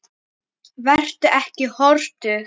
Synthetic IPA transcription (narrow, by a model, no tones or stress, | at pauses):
vɛr̥t̪ʏʔɛhcɪhɔɾt̪ʏ